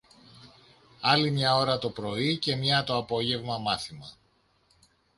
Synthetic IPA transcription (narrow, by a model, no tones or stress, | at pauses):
ɐlimɲɐo̞ɾɐt̪o̞pɾo̞ice̞mɲɐt̪o̞ɐpo̞ʝe̞vmɐmɐθimɐ